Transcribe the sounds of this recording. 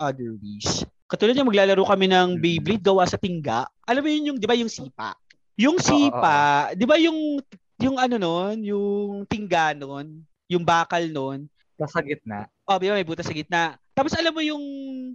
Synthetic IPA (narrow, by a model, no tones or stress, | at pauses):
ʔɐd̪ɛɹwis | kɐt̪uːlɐd̪̚ɲɐŋmɐɡ̚laːlɐɾokɐmɛnɐŋbejblɪt̪̚ɡɐwasɐt̪ɪŋɡa̰ʔʔɐlamːojʊnjʊŋd̪ɪbajʊŋsiːpa̰ʔ | jʊŋsiːpad̪ɪbajʊŋ | jʊŋʔɐnono̞njʊŋt̪ɪŋɡanon | jʊŋbaːkɐlnon | t̪ɐsɐɡɪt̪̚na̰ | ʔobɪbamɐjbuːt̪ɐsɐɡɪt̪̚nɐt̪aːposʔɐlamːojʊŋ